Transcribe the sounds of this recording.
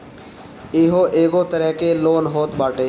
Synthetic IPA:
ɪɦoʔeːɡot̪əɾəɦkeloːnɦoːt̪baːʈeː

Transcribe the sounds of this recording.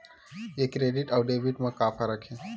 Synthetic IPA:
ekːɾeɖiʈəwɖebiʈməkːapʰaɾakʰe

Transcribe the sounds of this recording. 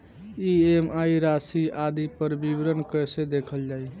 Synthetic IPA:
iemajɾasiad̪ipəɾbibɾənkəsed̪ekʰəld͡ʒaj

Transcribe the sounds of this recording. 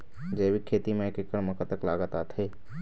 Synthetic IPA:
d͡ʒeːʋikkʰeːt̪imẽekɪkːəɽmɐkət̪əkla̰ːɡət̪at̪ʰeː

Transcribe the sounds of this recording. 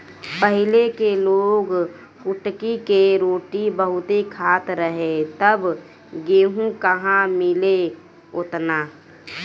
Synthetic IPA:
pəɦɪlekeloːɡ | kʊʈkikeɾoːʈibəɦʊt̪ikʰaːt̪ɾəɦet̪əb | ɡeːɦũkəɦãmɪle | ʊt̪naː

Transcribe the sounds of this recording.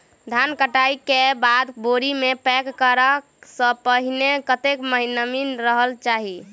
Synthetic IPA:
d̪ʱankəʈajkebad̪boɾimepɛkːəɾəksə̃pəɦinekət̪ekməɦinəminɾəɦəlt͡ʃaɦi

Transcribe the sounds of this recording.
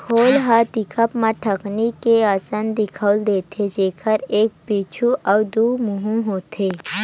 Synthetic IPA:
kʰoːlɦat̪ɪkʰəpmãʈʰəknikeaːsənd̪ɪkʰəʊld̪eːt̪ʰed͡ʒeːkʰəɾeːk̚piːt͡ʃʰuʔɔːd̪uːmʊɦũɦoːt̪ʰeː

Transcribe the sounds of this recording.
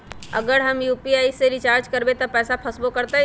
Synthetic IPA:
ə̰ɡəɾɦəmjuːpiaːiseɾɪt͡ʃaːɾd͡ʒkəɾbet̪ɐpɛːsapʰəsbokəɾt̪a

